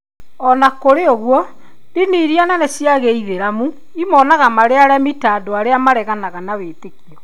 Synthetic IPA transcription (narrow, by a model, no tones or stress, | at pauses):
ɔnakoɾeoɣwɔ | diniɾiananɛsiaɣeiðeɾamu | imɔnaɣamaɾeaɾɛmitaːdoaɾeamaɾɛɣanaɣanaweːtekiɔ